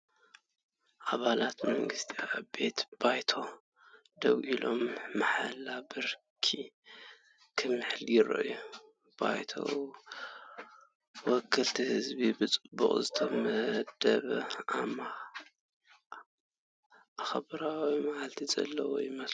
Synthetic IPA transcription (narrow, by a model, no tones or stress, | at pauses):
ʔaβalat̪mɐŋɡɨst̪ʰiaʔabe̞t̪b̥ajt̪ʰo̞ | d̪ɐwʔilʔo̞mːaħalːabɨɾ | kʰi | kʰɨmːɨħljɪɾɐ̰ʔju | b̥a̰jt̪ʰo̰ | wɔkʰːɨlt̪ʰihɨzbibɨt͡sʼɨbṵχʼzɨt̪ʰɐmɐhd̪̥ɐβɐama | ʔaxɐβɨɾawimaʔalt̪ʰizɐ̰lːɐwo̰jɪmɐs